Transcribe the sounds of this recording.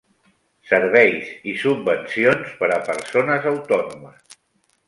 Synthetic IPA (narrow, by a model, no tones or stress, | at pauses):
səɾβ̞ɛjzisubbənsionspəɾəpəɾsonəzəwt̪ɔnuməs